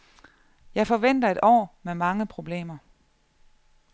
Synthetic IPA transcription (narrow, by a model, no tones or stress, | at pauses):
jɑ̈ɪfɒ̽ʋen̰d̥ɐe̝d̥ɒ̰ːmemɑ̈ŋəpʰʁo̝b̥le̝̰ːmɐ